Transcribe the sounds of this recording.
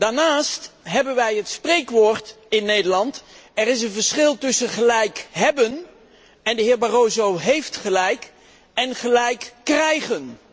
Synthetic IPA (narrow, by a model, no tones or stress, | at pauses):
d̥aːɹnaːstɦɛbənʋɛjɦətsprejkʋoːɹt | ɪnːejdəɹlɑntɛrɪs̬ənvəɹsχɪlˠtɵsəχəlɛjkɦɛbən | ɛndəɦɪːɹbarowzowɦejftχəlɛjk | ɛnχəlɛjkːrɛjχən